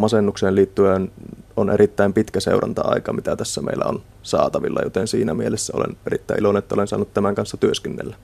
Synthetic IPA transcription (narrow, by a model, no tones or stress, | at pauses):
mɑsenːukseːliːt̪ːyænonʔeɾit̪ːæimpit̪kæsḛurɑnt̪ɑɑ̰ikɑmit̪æt̪æsːæmḛilːˑæ̰on | sɑ̰ːt̪ɑʋilːɑ̰jo̰t̪ensiːnæmielesːæo̰lḛnerit̪ːæˑiʔilonenet̪ːæo̰lensɑːnːut̪t̪æmæŋkɑnsːɑt̪yøskenːḛlːæ